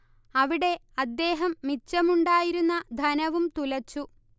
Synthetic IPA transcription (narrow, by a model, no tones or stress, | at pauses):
ɐʋiɽe̞ɐd̪ːe̞ːɦɐmːit͡ɕːɐmuɳɖaːjiɾunːɐd̪ʱɐnɐʋumt̪ulɐt͡ɕːu